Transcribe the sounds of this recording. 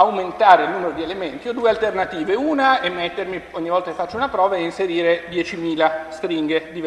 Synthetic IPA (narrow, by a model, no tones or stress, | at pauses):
awment̪aːɾeilnuːmeɾod̪ielement̪iod̪uːealt̪ernat̪iːveuːnaemːet̪ːermioɲːivɔlt̪akefat͡ʃːounapɾɔːvaeinseɾiːɾed̪jɛt͡ʃimiːlast̪ɾiŋɡed̪i